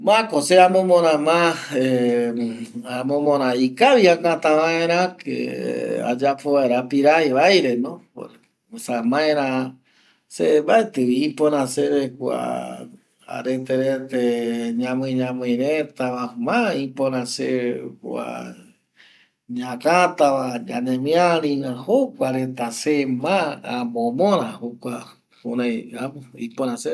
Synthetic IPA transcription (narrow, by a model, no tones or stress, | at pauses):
mãkoseamõmõɾ̃ãmãe | amõmõɾ̃ãikaβiakãt̪ãʋãẽɾ̃ãkḛa̰d͡ʒapoβaeɾapiɾajβajɾenõo̰ | samãẽɾã | sebaet̪ɨβiĩpõɾãseɾekʷa̰ | a̰ɾet̪eɾet̪eɲãmɨ̃ɲãmɨ̃jɾẽt̪aβamãĩpõɾãsekua̰ | ɲãkat̪aβad͡ʒanẽmj̃aɾĩãhokʷaɾet̪asemãamõmõɾ̃ãhokʷa | pṵɾãjamõḭpoɾ̃ãse